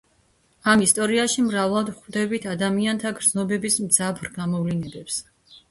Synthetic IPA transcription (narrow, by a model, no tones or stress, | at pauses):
amist̪ʼɔɾiaʃimɾavlˠad̪χvd̪ɛbit̪ʰad̪amiant̪ʰaɡɾd̪znɔbɛbismd̪zapʰɾɡamɔvlinɛbɛps